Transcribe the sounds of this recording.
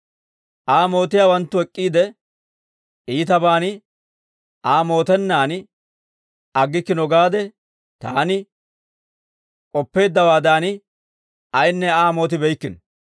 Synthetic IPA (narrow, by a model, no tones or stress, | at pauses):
ʔaːmo̞ːt̪ɪjaːwɐnt̪ːʊɛkʼːiːd̪ɛ | iːt̪ɐbaːnɪ | aːmo̞ːt̪ɛnːaːnɪ | ɐɡːɪkːɪnɔɡaːd̪ɛ | t̪a̰ːnɪ | kʼɔpːe̞ːd̪ːɐwaːd̪aːnɪ | ɐjnːɛaːmo̞ːt̪ɪbɛjkːɪn